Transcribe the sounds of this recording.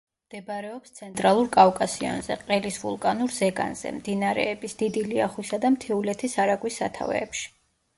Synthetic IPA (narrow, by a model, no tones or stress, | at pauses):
md̪̥ɛbɾɛɔpst̪sʰɛnt̪ʼɾalˠuɾkʼavkʼasiɔ̰nzɛ̰qʼɛlisvṵlˠkʼanuɾzɛɡa̰nz̥ɛ̰md̪inaɾɛ̰ːbisd̪̥id̪iliaχwisad̪amt̪ʰɛulɛt̪ʰisaɾaɡwisːa̰t̪ʰa̰vɛ̰ːpʃi̥